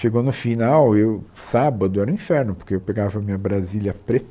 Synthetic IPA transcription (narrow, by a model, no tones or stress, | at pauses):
ʃeɡonʊfinawewsabɐd̪ʊɛɾɐʊĩfɛɾnʊpoɾkeewpeɡavɐmĩɲɐbɾaziljɐpɾe